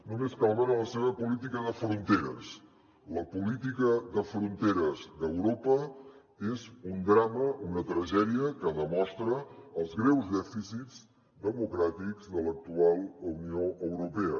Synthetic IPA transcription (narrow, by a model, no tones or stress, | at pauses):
numeskalˠβəɾələseβ̞əpulit̪ikəðəfɾunt̪eɾə̰s | ləpulit̪ikəðəfɾunt̪eɾəzðəwɾopə | ezund̪ɾaməunət̪ɾəʒɛðiəkəðəmɔst̪ɾəːlˠzɣɾɛwzðɛfisid͡z | d̪əmukɾat̪ikzðələk̚t̪ualˠunioəwɾupɛə